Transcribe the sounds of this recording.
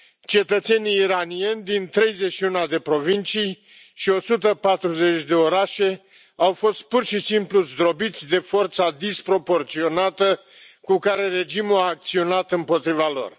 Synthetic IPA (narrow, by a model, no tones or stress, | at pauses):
t͡ʃe̞t̪ət̪se̞niːɾanie̞nʲd̪int̪ɾe̞jze̞ʃiunad̪e̞pɾo̞vint͡ʃij | ʃio̞sut̪əpat̪ɾuze̞t͡ʃʲd̪e̞o̞ɾaʃe̞ | awfo̞st̪̚purʃisimpluzd̪ɾo̞bit̪sʲd̪e̞fo̞rt̪sad̪ispɾo̞po̞rt̪sio̞nat̪ə | kukaɾe̞re̞d͡ʒimuaːk̚t̪sio̞nat̪ɨmpo̞t̪ɾivalo̞̰r